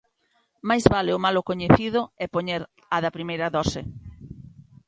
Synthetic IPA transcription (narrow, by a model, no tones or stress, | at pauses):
majzβalɪʊmalokoɲeθiðʊɛpoɲeɾ | ɐðɐpɾimejɾɐðɔsɪ